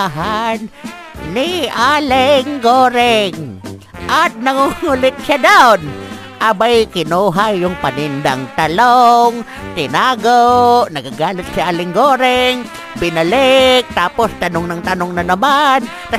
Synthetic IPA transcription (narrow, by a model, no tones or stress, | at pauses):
ɦanː | ɪʔalɪŋɡoːɾɪŋ | ʔɐt̪̚nɐŋuŋulɪt̪̚ʃad̪awn | ʔabajkɪnuːɦajːʊŋpɐnɪnd̪aŋt̪ɐloŋ | t̪ɪnaːɡoʔnɐɡaɡaːlɪt̪̚sɪʔaːlɪŋɡoːɾɪŋ | bɪnɐlɪk̚t̪aːpost̪ɐnoŋnɐŋt̪ɐnoŋnɐnɐman | t̪ɐ